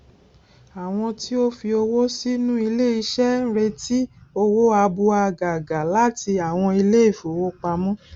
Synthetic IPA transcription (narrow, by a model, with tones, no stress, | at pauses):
a˨w̃ɔ̃˧ti˦o˦fi˧o˧wo˦si˦nũ˦i˧le˦i˧ʃɛ˦n̩˦ɾe˧ti˦o˧wo˦a˧bu˧a˧˨ɡa˨ɡa˨la˦ti˧a˨w̃ɔ̃˧i˧le˦i˦˨fo˨wo˦k͡pa˧mɔ̃˦